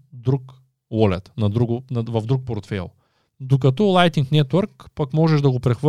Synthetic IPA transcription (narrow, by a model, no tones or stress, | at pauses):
d̪ɾuk | wɔlɛ̰t̪nɐd̪ɾuɡʊnɐvɐvd̪ɾuk̚poɾt̪fɛ̰lˠ | d̪ok̬ɐt̪ɔlˠajt̪iŋknɛt̪wəɾkpakmɔʒɛʒd̪ɐɡopɾɛxvə